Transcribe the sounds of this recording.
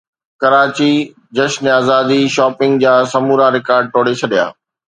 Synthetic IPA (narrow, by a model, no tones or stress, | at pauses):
kɐɾaːt͡ɕi | d͡ʑɐʃnaːzaːd̪iʃɔːpɪ̃ŋɡ̚d͡ʑaːsɐmuːɾaɾɪkaːɾɖ̚ʈoːɽet͡ɕʰɐɗija̰ː